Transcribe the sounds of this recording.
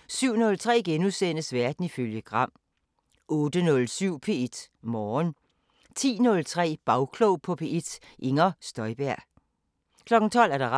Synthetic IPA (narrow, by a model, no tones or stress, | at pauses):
syʊ̰nɔ̽lt͡sʰʁɛ̰ːɡ̥enuðˠsen̰əsʋæɐd̥n̩iføljəɡ̥ʁɑ̈m̰ | ʔɔ̽ːd̥ənɔ̽lsyʊ̰pʰe̝e̝d̥mɒːn | t͡sʰḭːnɔ̽lt͡sʰʁɛ̰ːb̥ɑ̈ʊkʰlɔʊpʰɒ̽pʰe̝e̝d̥ʔe̝ŋɐsd̥ɒ̽ɪb̥æɐ̰ | kʰlɒ̽ɡ̥n̩t͡sʰɒ̽l̰æɐɾ̥ɑ̈ʁɑ